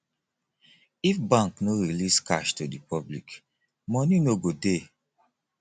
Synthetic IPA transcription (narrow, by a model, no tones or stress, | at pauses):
ifbãŋknoɹiliska̰ʃtudipɔblḭk | mɔnĩnoɡode